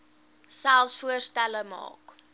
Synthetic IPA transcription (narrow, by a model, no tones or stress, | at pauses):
sælˠsfuərstæləmɑ̰ːk